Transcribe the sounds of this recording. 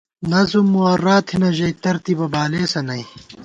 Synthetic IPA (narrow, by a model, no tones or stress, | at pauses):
nɐzumːuɐrːaːt̪ʰhinɐʑɐjt̪ɐɾt̪ibɐbaːleːsɐnɐj